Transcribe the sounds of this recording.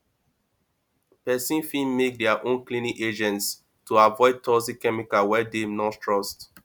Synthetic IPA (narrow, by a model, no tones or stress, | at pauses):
pɛsĩnfĩnmek̚dɛaʔõnklĩniked͡ʒɛ̃nts | tuavɔɪd̚tʰɔsikɛmikawɛdenɔ̃tʰɹɔst